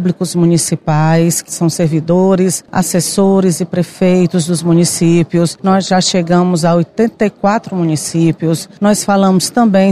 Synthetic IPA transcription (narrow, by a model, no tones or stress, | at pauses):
blikʊzmũnisipajskɪ̥sɐ̃w̃seɾvid̪oɾɪsa̰sesoɾɪzɪpɾefejt̪ʊzd̪ʊzmũnisipiʊsnɔzʒaʃeɡɐ̃mʊzaojt̪ẽnt̪ɐikwat̪ɾʊmũnisipiʊsnɔsfalɐ̃mʊst̪ɐ̃bẽj̃